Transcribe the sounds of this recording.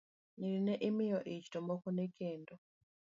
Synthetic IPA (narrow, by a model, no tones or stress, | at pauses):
niɾineʔimijoʔit͡ʃi̥tombokunekʰeːndo